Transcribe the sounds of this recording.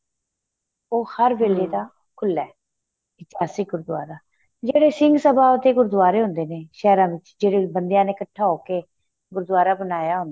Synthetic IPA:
oːhəɾʋeːleːd̪aː | kʰʊlːɛː | ɪt̪jaːsiːɡʊɾd̪ʊwaːɾaː | d͡ʒeːɽeːsɪŋɡsəbaːʊt̪eːɡʊɾd̪ʊʋaːɾeːɦʊ̃nd̪eːneːʃɛːɾãːʋɪt͡ʃd͡ʒeːɽeːbənd̪jãːneːkəʈʰːaːoːkeː | ɡʊɾd̪ʊaːɾaːbənaːjaːɦʊ̃nd̪a

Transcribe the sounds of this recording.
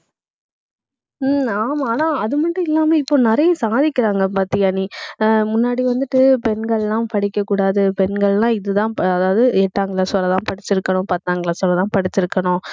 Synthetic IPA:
aːmaːnaːɐðɯmɐʈːɯ̃ɪlːaːmeːɪpːoːnɪɾɐjɐ̃saːðɪkːɪɾaːŋɡɐpaːɾt̪ːɪɐnimʊnːaːɽiʋɐnd̪ɯʈːɯpɛnɡɐɭɛlãːpɐɽɪkːɐkːuːɽaːðɯpɛnɡɐɭlãːɪðɯt̪ãːɐðaːʋɐðɯɛʈːaːŋɡɐɭaːsɔɾːɐt̪ãːpɐɽɪt͡ʃːɪɾɯkːɐnʊ̃pɐt̪ːaːŋɡɐɭaːsɔlːɐt̪ãːpɐɽɪt͡ʃːɪɾɯkːɐɳʊ̃

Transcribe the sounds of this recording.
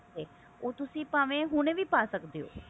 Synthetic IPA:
t̪eː | oːt̪ʊsĩːpaːʋẽːɦʊnẽːʋiːpaːsəkd̪eːo̰ː

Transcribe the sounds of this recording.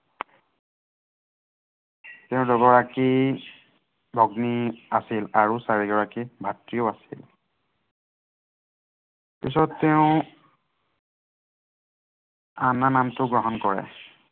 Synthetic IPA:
teʊ̃dɔɡɔɹaki | bʱɔɡniasilaɹusaɹiɡɔɹakibʱatɹioasḭl | pḭsɔtːeʊ̃ | ananamtʊɡɹɔɦɔnkɔɹɛ̰

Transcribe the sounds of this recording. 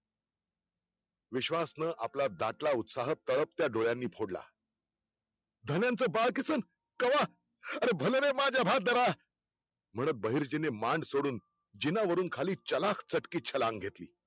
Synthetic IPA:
ʋiɕʋasnəʔaplad̪aʈlaut̪saɦəp̚t̪əɭəp̚t̪jaɖoɭjanːiːpʰoɽla̰ | d̪ʱənjãnt͡səːbaɭkisəːn | kəʋa | əɾebʱəloɾemad͡ʑʱjabʱad̪əɾa | m̤əɽ̃ət̪̚bəɦiːɾd͡ʑinemaɳɖsoɽuːn | d͡ʑinaʋəɾuːnkʰaliːt͡ɕəlakʰt͡səʈkiːt͡ɕʰəlãŋɡɡʱet̪lḭː

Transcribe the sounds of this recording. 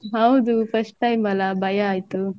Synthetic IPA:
ɦɐwd̪upʰɐsʈʈɐjmbɐlabʱɐjaaːjt̪u

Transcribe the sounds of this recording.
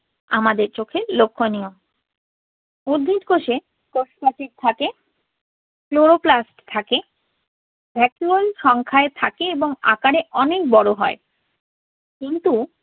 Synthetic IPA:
amad̪eɾt͡ɕokʰelokʰːonijom | uɾd̪ʱːiʈkoʃe | koʃpaʈiɾ̚t̪ʰake | floɾoplasʈt̪ʰake | bʱɛkjuolʃɔŋkʰaet̪ʰakeeboŋa̰kaɾeʔɔnek̚bɔɽoɦɔe | kint̪u

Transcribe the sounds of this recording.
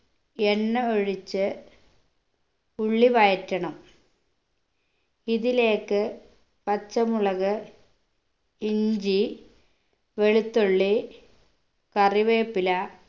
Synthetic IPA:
enːɐoɻit͡ɕːɨ | uɭːiʋɐjɐtːɐɳɐm | iðile̞ːkːɨ | pɐt͡ɕːɐmuɭɐɣɨ | iɲd͡ʑi | ʋeɻut̪ːoɭːi | kɐriʋeːpːilɐ

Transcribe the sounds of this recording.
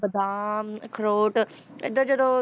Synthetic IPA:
bɐd̪ʱaːkʰɾoːʈ | ɪ̰d̪əd͡ʑɐd̪o

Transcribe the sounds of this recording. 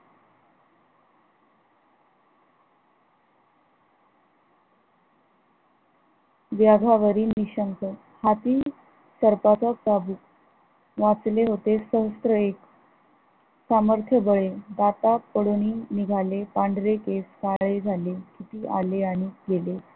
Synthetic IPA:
ʋjaɡʱaʋəɾiːniɕəŋkə | hat̪iː | səɾpat͡sasabu | ʋat͡sleɦot̪esəɦəst̪ɾəek | saməɾt̪ʰjəbəɭed̪at̪apəɽoñiːniɡʱalepaɳɖɾekeskaɭed͡zʱalekit̪iːʔa̰leaɽ̃iɡele

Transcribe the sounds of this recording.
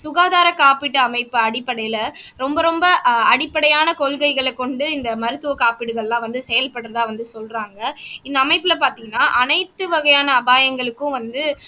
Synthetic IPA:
sʊɣaːðaːɾɐkaːpɪʈːɯɐmɐɪpːɯɐɽɪpːɐɽɐjɪlɐɾɔmbɐɾɔmbɐɐɽɪpːɐɽɐjaːnɐkɔɭkɐɪɣɐɭɛkːɔɳɖɯɪnd̪ɐmɐɾɯt̪ːɯʋɐkaːpɪɽɯɣɐɭlãːʋɐnd̪ɯsɛjɐlpɐɽɯɾɐðaːʋɐnd̪ɯsɔlraːŋɡɐɪnd̪ɐːmɐɪpːɪlɐpaːɾt̪iːŋɡɐnːaːʔɐnɐɪt̪ːɯʋɐɣɐjaːnɐːbaːjɐŋɡɐɭɯkːʊ̃ʋɐnd̪ɯ

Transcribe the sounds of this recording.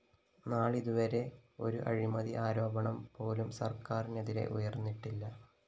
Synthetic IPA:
naːɭiðuʋɐɾe̞o̞ɾuʔɐ̰ɻimɐðiʔaːɾo̞ːbɐɳɐmpo̞ːlumsɐrkaːrineðiɾe̞̰ʔujɐrnːiʈːilːɐ

